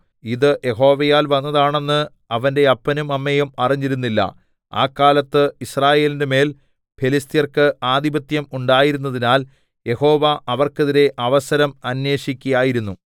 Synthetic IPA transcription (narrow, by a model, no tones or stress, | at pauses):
iðɨʔje̞ɦo̞ːʋɐjaːlʋɐnːɐðaːɳe̞nːɨ | ɐʋɐnde̞ɐpːɐnumɐmːejumɐriɲːiɾunːilːɐ̰ | a̰ːkːaːlɐt̪ːɨisraːje̞ːlindeme̞ːl | pʰe̞list̪ijɐrkɨʔaːd̪ibɐt̪jɐmuɳɖaːjiɾunːɐðinaːl | je̞ho̞ːʋaʔɐʋɐrke̞ðiɾe̞ʔɐʋɐsɐɾɐmɐnje̞ːɕikʲːujaːjiɾunːu